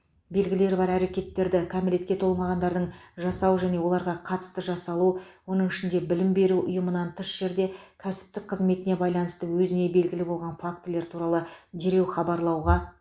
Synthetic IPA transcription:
be̞lɡʲɪle̞ɾbɑɾæɾe̞kʲe̞t̪ːe̞ɾd̪ɪkʰamɪle̞t̪̚kʲe̞t̪ʰo̞lˠmɑʁɑnd̪ɑɾd̪əɴʒɑsɑwəʒæne̞wo̞lˠɑɾʁɑqʰɑt̪ə̥st̪əʒɑsɑlˠuwo̞nəɴɪʃɪnd̪e̞bɪlɪmbe̞ɾuʔʊ̰jəmənɑnt̪ʰəʃʒ̥e̞ɾd̪e̞kʲʰæsɪ̥p̚t̪ɪk̚qʰəzme̞t̪ɪne̞bɑjlˠɑnəst̪əwɵzɪne̞be̞lɡʲɪlɪbo̞lˠʁɑnfak̚t̪ɪle̞ɾt̪ʰuɾɑlˠəd̪e̞ɾe̞wχɑbɑɾlˠɑwʁɑ

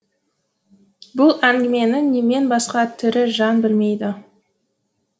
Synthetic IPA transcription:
bʊlˠæŋɡʲɪme̞nɪŋne̞me̞nbɑsqɑt̪ʰɪɾɪʒɑnbɪlme̞jd̪ɪ

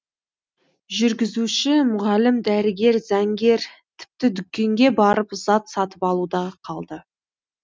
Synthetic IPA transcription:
ʒʏɾɡʲɪzuʃɪmʊʁɑlɪmd̪æɾɪɡʲe̞ɾzæŋɡʲe̞ɾt̪ʰɪ̥p̚t̪ɪd̪ʏkʲːe̞ŋɡʲe̞bɑɾəpzɑt̪sɑt̪əpɑlˠud̪ɑqʰɑlˠd̪ə

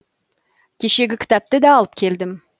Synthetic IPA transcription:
kʲʰe̞ʃe̞ɡʲɪkʲʰɪ̥t̪ɑp̚t̪ɪd̪æːlˠəp̚kʲʰe̞ld̪ɪm

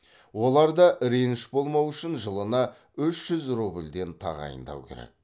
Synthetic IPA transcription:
wo̞lˠɑɾd̪ɑʔɾenʃbo̞lˠmɑwʏʃɪnʒəlˠənɑ | ʏʃʒ̥ʏzrubɪlʲd̪e̞nt̪ʰɑ̰ʁɑ̰jə̰nd̪ɑ̰wkʲʰe̞̰ɾḛk̚

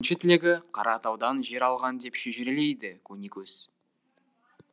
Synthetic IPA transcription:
nʃɪt̪ʰɪleɡʲɪqʰɑɾʔɑt̪ɑwd̪ɑnʒe̞ɾɑlˠʁɑnd̪e̞pʃeʒɪɾelejd̪ɪkʲʰɵnikʲʰɵz̥

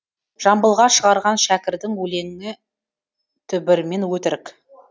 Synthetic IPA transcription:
ʒ̥ɑmbəlˠʁɑʃəʁɑɾʁɑnʃækʲɪɾd̪ɪŋwɵle̞ŋɪɪ | t̪ʰʏbɪɾme̞nwɵt̪ɪɾɪk

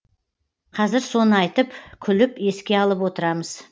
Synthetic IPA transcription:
qʰɑzɪɾso̞nəɑjt̪əpkʲʰʏlɪpe̞skʲe̞ɑlˠəpwot̪əɾɑməz̥

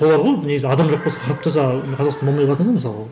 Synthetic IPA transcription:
o̞lˠɑɾʁojne̞ɡʲɪzɪɑd̪ɑmʒo̞q̚posɑqʰɑɾpt̪ʰɑsɑqʰɑzɑqst̪ɑnbolmɑj̪lˠɑt̪ɑd̪əməsɑlˠʁɑ

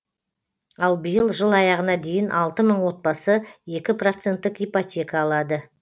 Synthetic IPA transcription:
ɑlˠbəjəlˠʒəlˠɑjɑʁənɑd̪e̞jɪnʔɑlˠt̪əməɴwo̞t̪̚bɑsəje̞kʲɪprot̪se̞nt̪ːɪkipot̪ʲe̞kaːlˠɑd̪ə

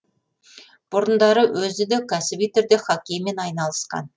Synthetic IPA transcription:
b̥ʊɾənd̪ɑɾəwʔɵzɪd̪ekʲʰæsɪbijt̪ʰʏɾd̪eχɑkʲejme̞nɑjnɑlˠəsqɑ̰n

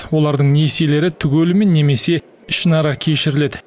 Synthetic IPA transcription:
wo̞lˠɑɾd̪əɴnese̞le̞ɾɪt̪ʰʏɡʲelɪme̞nːe̞me̞se̞ | ɪʃənɑɾɑkʲʰe̞ʃɪɾɪle̞d̪ɪ

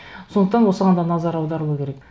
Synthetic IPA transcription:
so̞nd̪əqt̪ɑnwo̞səʁɑnd̪ɑnɑzɑɾɑwd̪ɑɾəlˠəkʲʰe̞ɾe̞k

